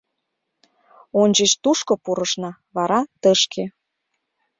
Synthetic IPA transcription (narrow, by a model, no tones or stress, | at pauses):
onʲd͡ʑət͡ɕt̪uʃkopuɾəʃnɑ | βɑɾɑt̪əʃkʰe